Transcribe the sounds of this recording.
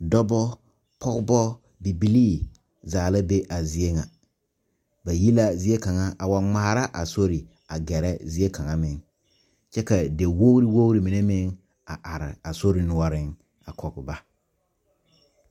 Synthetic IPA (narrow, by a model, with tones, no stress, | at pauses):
dɔ˦bɔ˦ | pʰɔ˦ɡbɔ˦ | bi˨bi˨liː˦˨ | zaː˨la˦be˦ʔa˨zɪ˨e˦ŋa˨ | ba˨ji˦la˦zɪ˨˦e˦ka˨ŋa˦ʔa˨wa˨ŋ͡ma˨a˨ɾa˦ʔa˨so˦ɾi˨ | a˨ɡɛ˨ɾɛ˦zɪ˦e˦ka˨ŋa˦mɪ˨ŋ | t͡ʃɛ˦ka˨de˨wo˦ɾi˦wo˦ɾi˨mi˨ne˦mɪ˦ŋ | a˨ʔa˨ɾɪ̰˨a˨so˦ɾi˨nʊ˨a˦ɾɪ˦ŋ | a˨kʰɔ˨ɡɪ˨ba˦